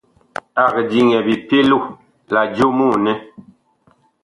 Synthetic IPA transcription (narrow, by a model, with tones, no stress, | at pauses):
a˨kd͡ʒi˨ŋɛ˨bi˨pe˦lu˦˨ | la˨d͡ʒo˦mu˦˨nɛ˦